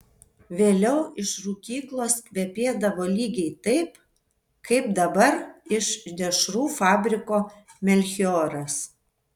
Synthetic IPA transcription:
ʋʲeːlʲɛʊɪʃɾuːkʲiːklˠoːskʋʲɛpʲeːd̪ɐʋoːlʲiːɡʲɛɪt̪ɐɪp | kʰɐɪp̚d̪ɐbɐɾɪʃd̪ʲɛʃɾuːfɑːbʲɾʲɪkoː | mʲɛlʲxʲɪoːɾɐs

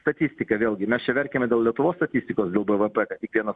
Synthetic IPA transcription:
st̪ɐt̪ʲisʲt̪ʲɪkɐʋʲeːlˠʲɡʲɪmʲɛst͡ʃʲɛʋʲɛɾʲkʲeːmʲɛd̪ʲeːlˠlʲɛt̪ʊʋoːst̪ɐt̪ʲisʲt̪ʲɪkoːsd̪ʲeːlˠbəʋəpɛkɐt̪ʲtʲɪkʋʲiɛnɐ

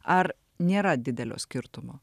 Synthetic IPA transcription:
ɐɾ | nʲeːɾɐd̪ʲɪd̪ʲɛlʲo̰ːsʲkʲɪɾt̪ʊmoː

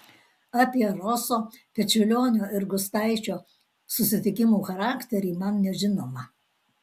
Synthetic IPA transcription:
ɑpʲiɛɾɔsoːpʲɛt͡ʃʲʊlʲoːnʲoːɪɾɡʊst̪ɑˑɪt͡ʃʲoː | sʊsʲɪt̪ʲɪkʲɪmuːxɐɾɑːkt̪ʲɛɾʲiːmɐnnʲɛʒʲɪnoːmɐ

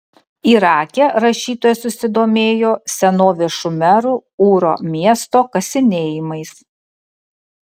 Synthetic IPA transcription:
iːɾɑːkʲeɾɐʃʲiːt̪oːjɛsʊsʲɪd̪oːmʲeːjoːsʲɛnoːʋʲeʃʊmʲɛɾuːuːɾo̰ːmʲiɛst̪oːkɐsʲɪnʲeːjɪmɐɪs

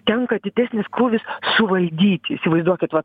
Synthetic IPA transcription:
t̪ʲɛŋkɐt̪ʲɪd̪ʲæːsʲnʲɪskɾuːʋʲɪssʊʋɐlʲd̪ʲiːt̪ʲɪsʲɪʋɐɪzd̪uɔkʲɪt̪ʋɐt̪

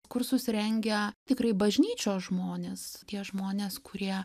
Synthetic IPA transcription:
kʊrsʊsʲɾʲɛŋʲɡʲɛt̪ʲɪkɾɐɪbɐʒʲnʲiːt͡ʃʲoːʒmoːnʲeːst̪ʲiɛʒmoːnʲeːskʊɾʲiɛ

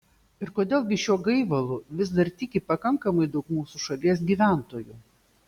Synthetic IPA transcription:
ɪɾkoːd̪ʲeːlˠɡʲɪʃʲuɔɡɐɪʋɐlˠʊʋʲɪzd̪ɐɾt̪ʲɪkʲɪpɐkɐŋkɐmɐɪd̪ɐʊkmuːsuʃɐlʲiɛs̬ɡʲiːʋʲæˑnt̪oːju

